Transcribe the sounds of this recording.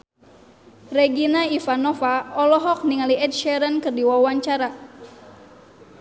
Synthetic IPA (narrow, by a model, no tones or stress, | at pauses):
rɛɡinaifanɔfaɔlɔɦɔk̚niŋaliɛt̪̚ʃɛɾənkɨrdiwawaɲt͡ʃaɾa